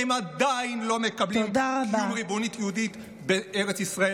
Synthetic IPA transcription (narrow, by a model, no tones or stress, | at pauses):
emad̪ainlo̞me̞kɐbliomd̪aʁabaumʁibo̞nit̪jeud̪it̪ | beeʁet͡sisʁae